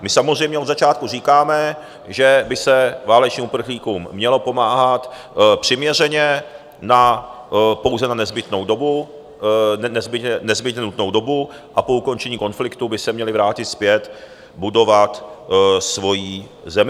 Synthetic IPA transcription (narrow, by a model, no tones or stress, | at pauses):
mɪsamozr̝ɛjmɲɛo̞d̪zat͡ʃaːt̪̚kuriːkaːmɛ | ʒɛbɪsɛvaːlɛt͡ʃɲiːmupr̩xliːkumːɲɛlo̞po̞maːɦat̪ | pr̥ɪmɲɛrɛɲɛ | na | po̞wzɛnanɛzbɪt̪no̞wdo̞bu | nɛzbɪɛnɛzbɪt̪ɲɛnut̪no̞wdo̞bu | ʔapo̞uko̞nt͡ʃɛɲiːko̞nflɪkt̪ubɪsɛmɲɛlɪvɾaːcɪt̪spjɛt̪ | budo̞vat̪svo̞jiː | zɛmɪ